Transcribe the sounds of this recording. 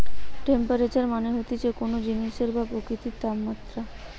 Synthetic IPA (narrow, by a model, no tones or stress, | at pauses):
ʈempaɾet͡ɕaɾmaneɦot̪it͡ɕekonod͡ʑiniʃeɾbapɾokɾit̪it̪abmat̪ːɾa